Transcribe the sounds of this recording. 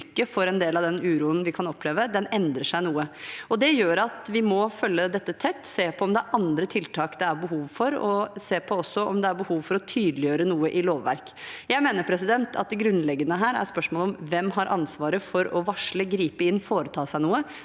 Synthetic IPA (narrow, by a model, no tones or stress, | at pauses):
kːəfɔɾɛnd̪eːlɑʋd̪ɛnʉːɾuːənʋɪkʰɑnɔpʰːleːʋəd̪ɛnɛnd̪ɾəʂæɪnuːəɔd̪ɛjøːɾɑt̪ʋɪmɔfœlːəd̪ɛt̪ːət̪ʰɛt̪ːseːpʰɔɔmd̪ɛʔɑnd̪ɾət̪ʰɪlt̪ʰɑːkd̪ɛæɾbəɦuːʋfɔɾɔseːpʰɔɔsːɔʔɔmd̪ɛæɾbəhuːʋfɔɾɔt̪ʰyːd̪lɪjøːɾənuːəʔɪloːʋːæ̰ɾk | jæɪmeːnəɾpʰɾɛs̬ɪd̪ɛnt̪ʰɑ̰t̪̚d̪ɛɡɾʉnlɛɡːənəɦæːɾæ̰ɾspœʂmɔːlɔmʋɛmɦɑɾʔɑnsʋɑːɾəfɔɾɔʋɑʂləɡɾiːpəɪnːfoːɾət̪ʰɑːsæɪnuːə